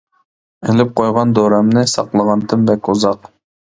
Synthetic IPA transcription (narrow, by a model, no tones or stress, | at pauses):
elɪp̚qʰojʁɑnd̪oɾæmnɪsɑ̰qlˠəʁɑnt̪ʰɪmbɛkʲuzɑq